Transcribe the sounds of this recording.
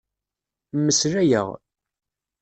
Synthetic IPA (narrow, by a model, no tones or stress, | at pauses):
mːəsɾæjə̰ʁ